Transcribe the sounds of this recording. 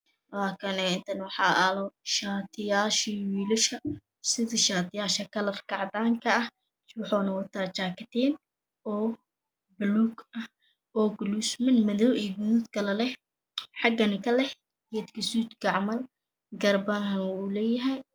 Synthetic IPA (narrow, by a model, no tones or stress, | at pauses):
laːkʰɐnɛɪnt̪ʰɐnwɑħɑːɐlɔʃaːt̪ʰɪjaːʃiwiːlɪʃɐ | sɪðɪʃaːt̪ʰɪjaːʃɐkʰɐlɐrkʰɑʕd̪aːŋkʰɐɐh | wʊħɔːnɐwɐt̪ʰaːt͡ʃaːkʰɐt̪ʰɛːn | ɔː | bluːɡɐh | ʔɔːɡlusmɪnmɐðɔwɛɡʊnuːd̪kʰɐlɐlɛh | ħɑɡɐnɪkʰɐlɛh | ɡɛd̪kʰɐsuːt̪ɡɑʕmɐl | ɡɐrbɐnhɐnulɛːjɐɦɐj